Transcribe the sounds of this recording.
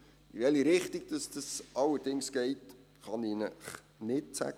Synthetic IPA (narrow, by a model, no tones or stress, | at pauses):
ivɛliɾɪχtiɡ̥̚d̥ɑsd̥ɑsʔɑlːəɾd̥ɪŋsɡ̥ɛɪt | χɑninəχ | nɪtsæ̰ɡ